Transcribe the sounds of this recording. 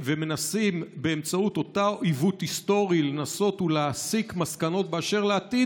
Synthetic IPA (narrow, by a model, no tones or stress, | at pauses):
veme̞nasimbe̞ːmt͡saut̪o̞taoivut̪hist̪o̞ʁile̞naso̞tulaːsikmaskano̞t̚beaʃe̞ʁleat̪i